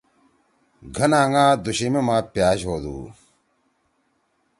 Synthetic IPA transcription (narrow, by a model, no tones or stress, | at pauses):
ɡʱɐnaːŋãːd̪uɕimemãːpjaːɕɦoːd̪ṵː